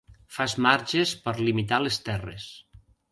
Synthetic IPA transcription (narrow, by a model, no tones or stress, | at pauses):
fazmaɾʒespəɾlimit̪alest̪ɛrḛs